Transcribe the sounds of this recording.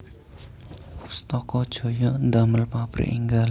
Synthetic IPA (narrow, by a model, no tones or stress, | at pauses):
ust̪ɔkɔd̥ʒ̥o̤jɔʔnd̪aməlpapɾḭʔḭŋɡal